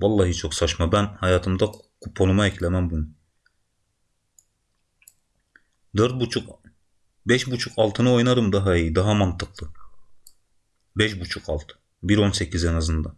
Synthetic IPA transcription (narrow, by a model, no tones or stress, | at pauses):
vɑlˠːaːɦit͡ʃʰo̞ksat͡ʃmabænhajaːt̪ʰɯmd̪akʰupʰːo̞numaɛclʲɛmæmbunu | d̪øɾt̪̚but͡ʃʰuk | bɛʃbut͡ʃʰukʰalˠt̪ʰɯnɯo̞jnaɾɯmd̪aɦaijid̪aɦamant̪ʰɯklˠɯ | bɛʃbut͡ʃʰukʰalˠt̪ʰɯ̥ | biɾo̞nsecʰizɛnazɯnd̪a